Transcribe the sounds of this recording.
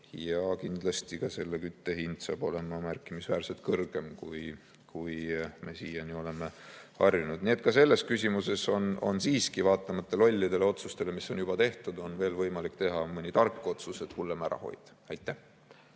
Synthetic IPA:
jɑkind̪lɑst̪ikɑse̞lːe̞kyt̪ːe̞hind̪̥sɑːb̥o̞le̞mɑmærkːˑimisvæːɾse̞lt̪̚kɤrɡ̥e̞mkuj | kujme̞siːjɑnio̞le̞meɑrjunud̪̥nie̞t̪̚kɑse̞lːe̞skysʲimuse̞so̞no̞̰nsiːskivɑːt̪ːˑɑmɑt̪ːelo̞lʲːid̪̥e̞le̞o̞t̪sust̪e̞le̞misːo̞njub̥ɑt̪e̞ht̪ud̪o̞nve̞ːlvɤjmɑlikt̪e̞ɦɑmɯnʲit̪ɑrkːˑo̞t̪suse̞t̪hulːemæɾɑ̰ho̞̰jd̪̥ | ɑjt̪ːˑæh

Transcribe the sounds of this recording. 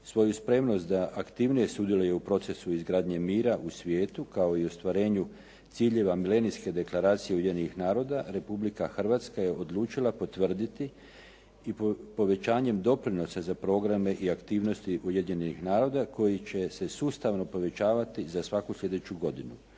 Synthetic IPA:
sʋo̞juspɾe̞mno̞st̪d̪aʔakt̪iʋnije̞sud̪jeluje̞upɾo̞t̪se̞suizɡɾaːd̪ɲe̞miːɾaʔusʋje̞ːt̪ukao̞iost̪ʋaɾe̞ːɲu | t̪siːʎe̞ʋamile̞nijske̞d̪e̞klˠaɾaːt̪sijeujedniixnaːɾo̞d̪aɾe̞publikaxr̩ʋaːt̪skaje̞ʔo̞d̪lˠuːt͡ʃilˠapo̞t̪ʋr̩d̪it̪i | ippo̞ʋe̞t͡ɕaːɲe̞md̪o̞pɾino̞sazapɾo̞ɡɾame̞ʔiakt̪iːʋno̞st̪iʔujed̪ɲe̞nixnaːɾo̞ːd̪ako̞jit͡ɕe̞se̞suːst̪aʋno̞po̞ʋe̞t͡ɕaːʋat̪izasʋakuslʲe̞d̪et͡ɕuɡo̞d̪inu

